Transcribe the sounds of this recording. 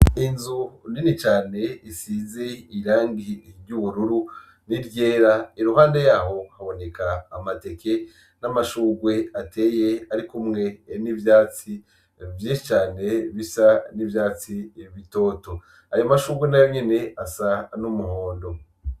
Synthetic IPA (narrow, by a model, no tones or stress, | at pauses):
inzuninit͡ʃaːne̞isize̞iɾaːŋɡiɾjuːβuɾuɾu | niɾɟe̞ːɾaiɾuhaːndejaːho̞haβo̞ne̞kʰaːmate̞ke̞ | namaʃuːɡwe̞ate̞ːjeaɾikumŋe̞nivjaːt͡si | vjiːʃit͡ʃaːne̞βisanivjaːt͡siβito̞ːto | ajomaʃuːɡwenajo̞ɲe̞ne̞asanumuhoːndo̞